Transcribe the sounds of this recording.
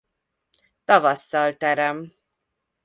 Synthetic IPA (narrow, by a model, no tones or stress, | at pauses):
t̪ɒvɒsːɒlt̪ɛɾɛm